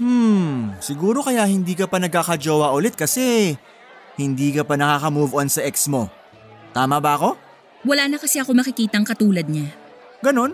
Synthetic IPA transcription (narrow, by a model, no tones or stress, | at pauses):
m̩sɪɡuːɾo̞kɐjaʔhɪnd̪iːkɐpɐnɐɡ̚kːaːkɐd͡ʒoːwɐʔʊlɛt̪̚kɐsɛ | hɪnd̪iːkɐpɐnɐkaːkɐmuːvonsɐʔɛksmo̞ | t̪aːmɐbɐɐko̞ | wɐlaːnɐkɐsɛɐko̞mɐkɪkiːt̪ɐŋkɐt̪uːlɐd̪̚ɲa | ɡɐno̞n